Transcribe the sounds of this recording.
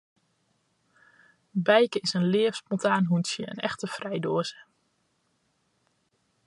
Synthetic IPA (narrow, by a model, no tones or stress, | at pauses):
bɛjkəɪsənlɪəfspɔntaːnɦunsjəə̰nɛ̰xtəfrɛjdoəzə